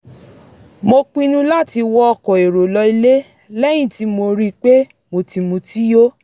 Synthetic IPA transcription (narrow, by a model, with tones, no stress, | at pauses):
mo˧k͡pĩ˧nũ˧la˦ti˧wɔ˦ɔ˧kɔ̃˨e˨ɾo˨lɔ˧i˧le˦ | lɛ˦j̃ĩ˦˨ti˦mo˧ɾi˦k͡pe˦ | mo˧ti˧mũ˧ti˦jo˦